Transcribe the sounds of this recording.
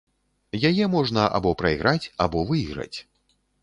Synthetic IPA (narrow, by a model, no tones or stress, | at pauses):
jajɛmɔʐnɐʔa̰bɔpɾɐiɣɾat͡sʲabɔvɨiɣɾɐ̰t͡sʲ